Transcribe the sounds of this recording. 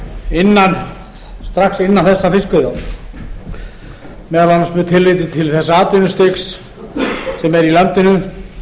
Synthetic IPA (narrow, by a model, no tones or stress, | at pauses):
ɪnːan | st̪ɾaxsɪnːanθɛsːafɪskʏðaw | mɛðvanasmʏt̪ʰɪlːɪt̪ɪt̪ʰɪlθɛsːaaːt̪ɪnʏst̪ɪks | sɛmɛɾilœmt̪ɪnʏ